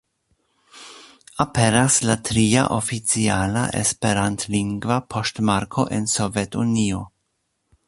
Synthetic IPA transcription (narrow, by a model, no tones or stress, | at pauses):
apenaslat̪ɾiːa̰ʔofit͡sjiaːla̰ʔḛspeɾant̪liŋɡvapʰɔst̪maɾkʰoʔensovɛt̪unio